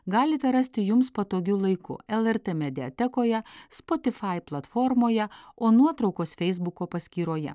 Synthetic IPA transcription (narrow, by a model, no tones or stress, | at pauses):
ɡɑːlʲɪt̪ʲɛɾɐsʲt̪ʲɪjʊmspɐt̪oːɡʲuːlˠɐɪkʊ̰ɛlˠɛɾt̪emʲɛd̪ʲɪɛt̪ʲɛkoːjɛspɔt̪ʲɪfɑɪplˠɐt̪fɔɾmoːjɛoːnuɔt̪ɾɒʊkoːsfʲɛɪzbʊkoːpɐsʲkʲiːɾoːjɛ̰